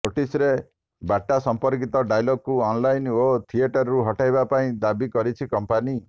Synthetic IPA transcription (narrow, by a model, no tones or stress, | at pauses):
noʈisɾe | baʈːasɔmpɔɾkit̪ɔɖajlɔɡ̚kuɔnlajnot̪ʰieʈɔɾɾuɦɔʈajbapaĩd̪abikɔɾit͡ʃʰikɔmpani